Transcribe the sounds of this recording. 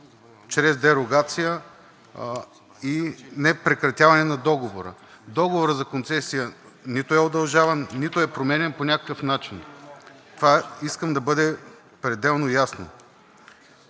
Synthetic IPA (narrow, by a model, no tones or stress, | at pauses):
t͡ʃɾɛzd̪ɛɾoɡat̪sijə | inɛpɾɛkɾɐt̪ʲjavɐnɛnɐd̪ɔɡovoɾə̰ | d̪ɔɡovoɾəzɐkont̪sɛsijənit̪ʊɛod̪ɐlˠʒavɐnːit̪oɛpɾomɛnʲɛnponʲakəkəfnat͡ʃint̪ovaiskəmd̪ɐbɤd̪ɛ | pɾɛd̪ɛlˠnojasno̰